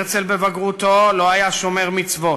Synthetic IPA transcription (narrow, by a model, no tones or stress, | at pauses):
ʁt͡selbevaɡʁut̪o̞lo̞ajaʃomeʁmit͡svo̞